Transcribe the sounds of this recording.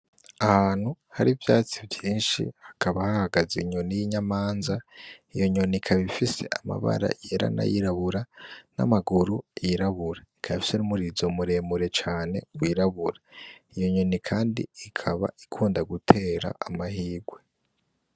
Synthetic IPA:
ahaːn̥hu | haɾivjaːt͡sivjiːnʃḭhḁkʰaβahahaɡaziɲonijiɲamaːnzaijo̞ɲo̞nikʰaβifise̞̰ʔama̰βa̰ɾa̰jeɾa̰na̰jiɾaβuɾana̰maɡuɾuiɾaβuɾaikʰaβifi̥senumuɾizomuɾe̞muɾe̞t͡ʃaːne̞̰wiːɾaβuɾaijo̞ɲo̞nikʰaːndḭːkʰaβa̰ikʰuːndaɡutʰe̞ːɾa̰amahiːɡwe̞

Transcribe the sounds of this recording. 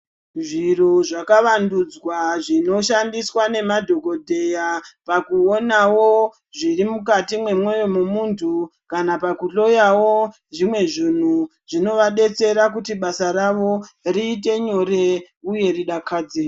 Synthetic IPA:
ʐiroʐakaʋandud͡zwaʐino̞ʃandiswane̞madʱo̞ɡo̞dʱe̞japakuonawo | ʐirimukatimwe̞mwo̞jomumuntʰukanapakuɬo̞jawo | ʐimwe̞ʐin̤u | ʐ̥ino̞ʋaɗe̞t͡se̞ɾakutiɓasaɾaʋo̞riːte̞ɲo̞ɾe̞ | uje̞riɗakʰaːd͡zeː

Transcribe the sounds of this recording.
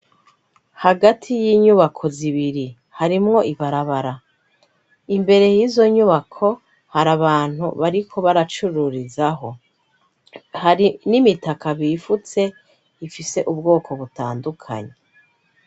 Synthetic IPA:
haɡatʰijiɲuβakʰo̞ziβiɾi | haɾimŋo̞ʔiβaɾaβaɾa | imbe̞ɾe̞jizo̞ɲuβakʰo̞ | haɾaβaːn̥hṵβaɾikʰo̞βaɾat͡ʃuɾuɾizaɦo̞ | haɾinimitakaβifut͡se̞ | ifise̞ʔubɡo̞ːkʰo̞βutaːndukʰa̰ɲe

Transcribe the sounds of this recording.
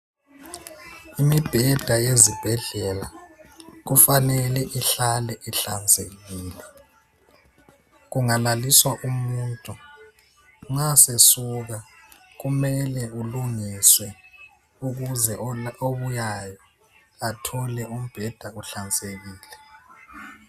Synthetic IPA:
imib̥ʱɛd̥ʱajezib̥ʱɛɮɛla | ɣufanɛlɛʔiɬalɛʔiɬant͡sʼeɣiːlɛ | ɣuŋalaliswaʔumuːntʼu | ŋasesuɣa | ɣumɛlɛuluŋiswɛ | uɣuzɛoβujajɔ | atʰɔlɛum̩b̥ʱɛd̥ʱauɬant͡sʼeɣiːlɛ

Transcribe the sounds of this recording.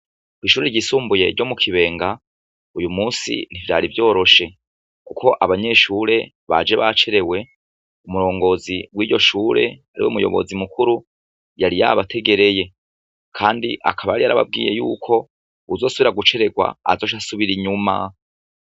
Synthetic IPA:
kwiːʃuːɾeɾɟisuːmbuje̞̰ɟo̞mukʰiβe̞ːŋɡa | ujumuːnsḭn̥ivja̰ːɾivjo̞ːɾo̞ʃe̞ | kukʰo̞ʔaβaɲe̞ʃuːɾe̞ | βa̰d͡ʒe̞βat͡ʃe̞ɾe̞we̞ | umuɾo̞ːŋɡo̞ziwiːjo̞ʃuːɾe̞̰aɾḭwoumujo̞̰βo̞̰zimukuɾu | jaɾija̰βatʰe̞ɡe̞ɾe̞je̞ | kʰaːndiʔa̰kʰaβajaɾijaɾaβa̰b̚ɡḭːje̞jṵːkʰo̞ | uzo̞ːsuβiɾaɡut͡ʃe̞ɾe̞ɡwa̰ːzo̞ːʃ̬asuβiɾiɲuma̰

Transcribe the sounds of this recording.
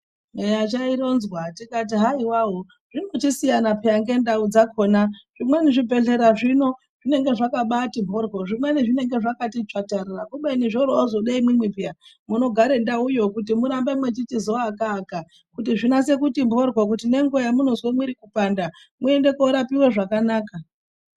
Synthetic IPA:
mejat͡ʃaiɾo̞nzwatikat̬iɦaiwaɦo | ʐ̥inot͡ʃisijanapʰiaŋɡe̞ndaud͡zakʰo̞ːnaʐ̥imwe̞niʐibʱe̞ɮe̞ɾaʐino̞ | ʐ̥ine̞ŋɡe̞ʐakaɓatimbʱo̞rɡoʐimwe̞niʐine̞ŋɡe̞ʐakatit͡ʂatarirakuɓeiniʐoɾoozo̞ɗaimwimwipija | muno̞ɡʱaɾendaujo̞kut̬imuɾambemwet͡ʃitizo̞akaːka | kutiʐinase̞kutimbʱo̞rɡok̬utine̞ŋɡojamunozwemwiɾikupanda | mue̞nde̞kouɾapiwe̞ʐakanaːka

